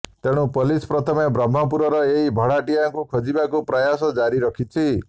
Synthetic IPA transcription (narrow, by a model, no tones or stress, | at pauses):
t̪eɽ̃ũpɔlispɾɔt̪ʰɔmebɾɔm̤ːɔp̬uɾɔɾɔeɦibʱɔɽaʈijaŋkukʰɔd͡ʒibakupɾajasɔd͡ʒaɾiɾɔkʰit͡ʃʰi